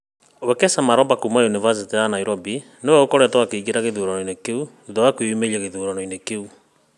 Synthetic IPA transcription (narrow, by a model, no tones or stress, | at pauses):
owɛkɛsamaɾɔmbakumajunivas̬itijanaiɾɔbi | newɛokɔɾɛtwakeiɡeɾaɣeðuːɾɔnɔinekeu | uðɔwakweumeiaɣeðuːɾanɔinekeu